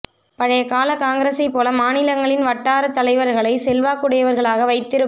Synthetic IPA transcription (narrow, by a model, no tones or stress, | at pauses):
pɐɻɐjɐkaːlɐkaːŋɡɐɾɐsɐɪpːoːlɐmaːnɪlɐŋɡɐɭɪnʋɐʈːaːɾɐt̪ːɐlɐɪʋɐɾɣɐɭɐɪsɛlʋaːkɯɽɐjɐʋɐɾɣɐɭaːɣɐʋɐɪt̪ːɪɾɯ